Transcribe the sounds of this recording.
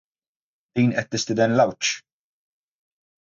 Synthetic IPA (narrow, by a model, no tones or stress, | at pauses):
d̪̥iːnʔɛt̪ːɪst̪ɪd̪ɛnlɐwt͡ʃ